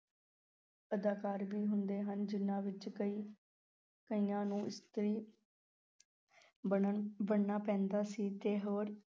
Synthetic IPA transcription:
əd̪aːkaːɾbiːɦʊnd̪eːɦənd͡ʒɪnːãːʋɪt͡ʃəiː | kəiːãːnũːʔɪst̪əɾiː | bəɽnaːpɛ̃ːnd̪aːsiːt̪eːɦoːɾ

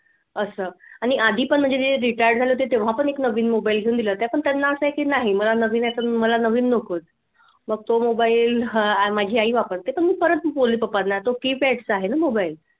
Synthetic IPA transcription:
əsəːaɽ̃iʔad̪ʱiːpəɳm̤əɳd͡zed̪ieɾiʈajəɾɖd͡zʱaljot̪et̪eʋ̤apəɳeknəʋiːnmobailɡʱeũnd̪iləːt̪japəɳt̪anːaəsəɦekiːnaɦiməlanəʋiːnat̪əməlanəʋiːnːəkəːt̪̚ | məɡ̚t̪omobailamad͡ʑʱiːaɦiːʋapəɾt̪epəɳmiːpəɾənt̪boliːpəpad̪nat̪okipɛʈsaɦenamobail

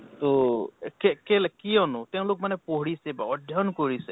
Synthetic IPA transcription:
t̪okɛkɛlɛkijɔnʊtɛʊ̃lok̚manɛpoɦɹisɛbaɔdʱjɔnkoɹisɛ

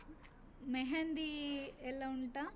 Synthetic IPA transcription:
meɦɐnd̪iɛlːɐuɳʈa

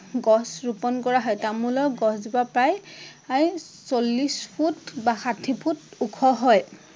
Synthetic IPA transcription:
ɡɔsɹupɔnkɔɹaɦɔjtamulɔɡɔszibapɹajaɹisolːispʰutbaxatʰipʰutukʰɔɦɔj

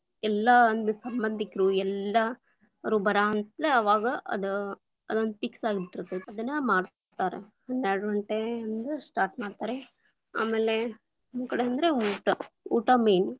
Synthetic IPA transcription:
ɛlːɐond̪usɐmbɐnd̪ʱikɾuɛlːɐ | ɾuːbɐɾaɐnt̪leɐʋaːɡɐʔɐ̰d̪u | ɐd̪ond̪piksaːɡit̪ːiɾɐt̪ːeɐd̪ɐnːɐmaːɽ | t̪aːɾḛ | ɐnaːɖʋɐɳʈeɐnd̪usʈaːɾʈmaːɖt̪aːɾe | a̰ːme̞ːle | ɐnkɐɽeɐnd̪ɐɾeuːʈɐṵːʈamejn

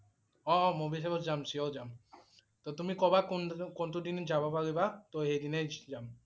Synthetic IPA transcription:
ɔmobis̬ebɔd͡ʒamsiɔld͡ʒam | t̪ot̪umikɔbaknkonʈudind͡ʒabapaɾibat̪ojɦejd̪ined͡ʒam

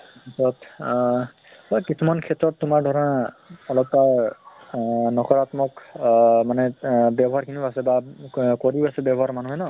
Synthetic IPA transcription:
kʰɛtɹɔt | bakisʰumankʰɛtɹɔtːumaɹdʱɔɹɔnaɔlɔp̚taɹ | nɔkɔɹat̪mɔkmanɛbjabɔɦaɹkʰiniasɛbakɔɹiasɛbjabɔɦaɹmanuɦɛnɔ

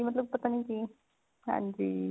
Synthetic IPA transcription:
imət̪ləb̚pət̪aniki | a̰nd͡ʑi

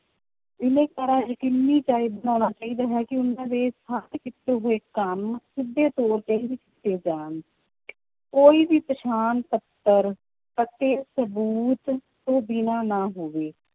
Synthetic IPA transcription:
ɪnẽːkəɾaːd͡ʒkɪnːiːt͡ʃaːiːbənaːnaːt͡ʃaːiːd̪aːɦɛːkɪʊnãːd̪eːsaːt̪kɪt̪ːeːɦoːeːkəmsɪd̪ːeːt̪oːɾt͡ʃaːid̪iːkɪ̥t̪ːeːd͡ʒaːn | koːiːʋiːpəʃaːnpət̪ːəɾ | pət̪eːsəbuːt̪ː | õːbɪnaːnaːɦoːʋeː

